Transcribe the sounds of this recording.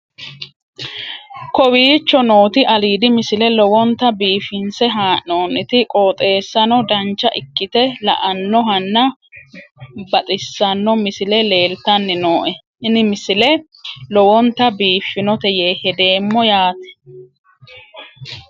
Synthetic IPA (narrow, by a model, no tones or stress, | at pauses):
kɔwiːt͡ʃːɔno̞ːt̪ɪʔɐliːd̪ɪmɪsɪlɛlɔwɔnt̪ɐbiːfɪnsɛɦaːʔoːnɪt̪ɪkʼoːt̪ʼe̞ːsːɐnɔd̪ɐnt͡ʃːɐʔɪkːɪt̪ɛlɐ̰ʔɐnːɔɦɐnːɐ | bɐt̪ʼɪsːɐnːɔmɪsɪlɛle̞ːlt̪ɐnːɪnoːʔɛ | ɪnɪmɪsɪlɛ | lɔwɔnt̪ɐbiːfːɪnɔt̪ɛjeːhɛd̪e̞ːmːɔjaːt̪ɛ̥